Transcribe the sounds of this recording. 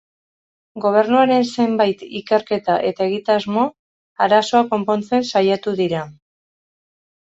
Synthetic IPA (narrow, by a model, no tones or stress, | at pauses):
ɡo̞β̞e̞ɾnuaɾe̞nse̞mbajt̪ike̞ɾke̞t̪aʔe̞t̪aeɣit̪azmo̞ | aɾaso̞ako̞mpo̞nt͡se̞nsajat̪uðiɾa